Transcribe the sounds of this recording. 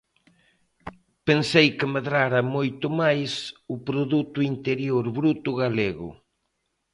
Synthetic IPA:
pensejkɪmeðɾaɾɐmojt̪ʊmajsʊpɾoðut̪ʊint̪eɾjoɾβɾut̪ʊɣaleɣʊ̰

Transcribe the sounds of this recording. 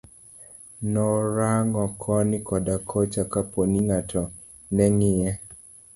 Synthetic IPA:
nɔɾaŋɡɔkʰɔnɪkɔdakʰɔt͡ʃakaponiŋatʰɔ | nɛŋɪjɛ

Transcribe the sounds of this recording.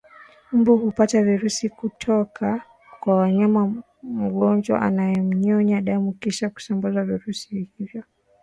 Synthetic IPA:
m̩buhupataviɾusikutʰɔkʰa | kwawaɲama | m̩ɠɔnd͡ʒwa̰ʔa̰najɛm̩ɲɔɲaɗamukiʃaku̥sambazaviɾusihivjɔ

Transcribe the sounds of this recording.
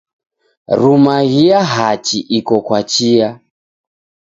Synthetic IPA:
ɾumaɣiaɦat͡ʃiʔikɔkwat͡ʃia

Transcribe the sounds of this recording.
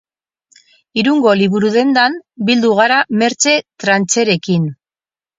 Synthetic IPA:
iɾuŋɡo̞liβuɾuðe̞nd̪anbild̪uɣ̞aɾame̞ɾt͡se̞t̪ɾant͡se̞ɾe̞kin

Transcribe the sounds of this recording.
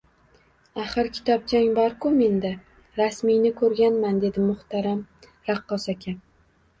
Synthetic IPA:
aχɨɾkʲʰɪ̥t̪ʰɒb̚d͡ʒaŋbaɾkʰʊme̞nd̪a | ɾasmijnɪkʰɵɾɡʲanmand̪e̞d̪ɪmʊht̪ʰaɾam | ɾaqːɒsakʲʰa

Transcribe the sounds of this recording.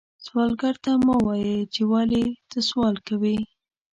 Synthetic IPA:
swɑlɡaɾt̪amɑwɑjət͡ʃewalet̪əswɑlkawi

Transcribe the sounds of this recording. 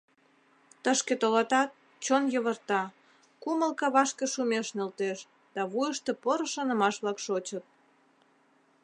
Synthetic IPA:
t̪əʃket̪olɑt̪ɑt̪̚ | t͡ɕonjəβərt̪ɑ | kuməlkɑβɑʃkeʃumeʃnelt̪eʃ | d̪̥ɑβujəʃt̪epoɾə̆ʃɑnə̆mɑʃβlɑkʃot͡ɕət̪̚

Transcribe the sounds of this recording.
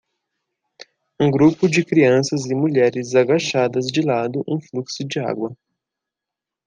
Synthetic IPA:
ũɡɾupʊd͡ʒɪkɾiɐ̃sɐzɪmuʎɛɾɪzaɡaʃad̪ɐzd͡ʒɪlad̪ʊʔũfluksʊd͡ʒɪa̰ɡwɐ

